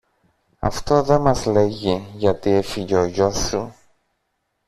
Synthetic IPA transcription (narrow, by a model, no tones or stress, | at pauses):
ɐ̰ft̪o̞ðe̞mɐzle̞ʝiʝɐt̪iefiʎeoʝo̞su